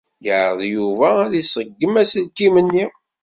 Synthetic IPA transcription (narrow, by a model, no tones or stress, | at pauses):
jəʕə̰ðˤjuvææðisˤəɡːəmæsəlt̪imənːi